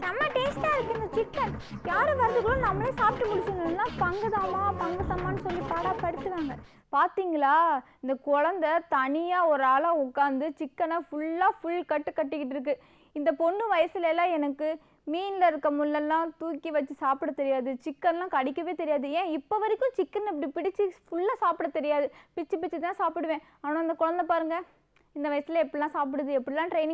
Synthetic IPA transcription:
nɐmːaʈeːsʈaːɪɾɯkːɯɪnd̪ɐt͡ʃɪkːɐn | jaːɾɯʋɐɾɐt̪ːɯkːɐɭʊ̃nɐmːɐleːsaːpʈːɐmʊɽɪt͡ʃːɯŋɡɐnɯlːãːpɐŋɡɐðaːmaːpɐŋɡɐðamaːnːɯsɔlːipaːɽaːpɐɽɪt̪ːɯʋaːŋɡɐ | paːɾt̪iːŋɡɐɭaːɪnd̪ɐkʊɻɐnd̪ɐt̪ɐnɪjaːɔɾɯaːlãːʊkːaːnd̪ɯt͡ʃɪkːɐnɐfʊɭːaːfʊɭkɐʈːɯkːɐʈːɪkɪʈ̬ːɪɾɯk̬ːɯ | ɪnd̪ɐpɔɳːɯʋɐjɐsɪlɛlːãːɛnɐkːɯ | miːnlɐɪɾɯkːɐmʊlːɐlːãːt̪uːkːiʋɐt͡ʃːɯsaːpɪɽɐt̪ɛɾɪjaːðɯt͡ʃɪkːɐnlãːkɐɽɪkːɐʋeːt̪ɛɾɪjaːðɯẽːɪpːoʋɐɾɪkːʊ̃t͡ʃɪkːɐnɐp̬ːɐɽipɪɽɪt͡ʃːɯfʊɭːaːsaːpɪɽɐt̪ɛɾɪjaːðɯpɪt͡ʃːɯpːɪɽɪt͡ʃːɯt̪ːãːsaːpɪɽɯʋẽː | ɐnãɪnd̪ɐkʊɻɐnd̪ɐpaːɾɯŋɡɐ | ɪnd̪ɐʋɐjɐsɪlɐɛpːɐɽɪlːãːsaːpɪɽɐðɯɛpːɐɽɪlːãːʈɾeɪnɪ

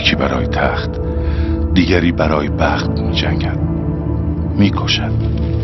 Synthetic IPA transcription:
kʰiːbæɾɒ̰ːjet̪ʰæχt̪ | d̪iːɡæɾiːbæɾɒːjebæχt̪miːd͡ʒæŋɡæd̪̥̚ | miːkʰoʃæd̪̥

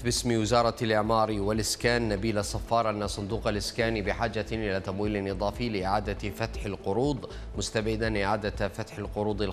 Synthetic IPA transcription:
bɪsmɪwɪzɑːɾˤɑlʔɪʕmɑːɾwalʔɪskaːnːabiːlasˤːɑfːɑːɾˤʔanːasˤʊnd̪uːqalʔɪskaːnibɪħaːd͡ʒaʔɪlaːt̪amwiːlɪnʔɨðˤɑːfɪjlɪʔɪʕaːd̪afat̪ħɪlqʊɾuːd̪ˤ | mʊst̪abʕɪd̪anʔɪʕaːd̪afat̪ħɪlqʊɾuːd̪ˤɪl

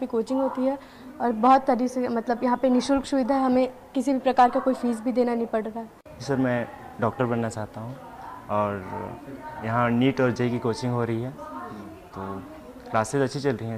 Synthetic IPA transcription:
pikoːt͡ʃɪ̃ŋɡɦoːt̪iɦɛ | ɔːɾbɔɦʊt̪ːɐɾisemɐt̪ləbjɐɦãpenɪʃʊlkʃʊʋɪd̪ʱaɦɛɦɐmẽ | kɪsibʱipɾɐkaːɾkakoːifiːzbʱid̪eːnanɐɦĩpɐɽɾaaɦɛː | ɪsɐɾmɛ̃ | ɖɔːk̚ʈəɾbɐnːat͡ʃaːɦt̪aɦũ | ɔːɾ | jɐɦãniːʈɔːɾd͡ʒəikikoːt͡ʃɪ̃ŋɡɦoɾɐɦiɦɛː | t̪oː | klaːsɪzɐtːʃʰit͡ʃɐlɾɐɦiɦɛ̃

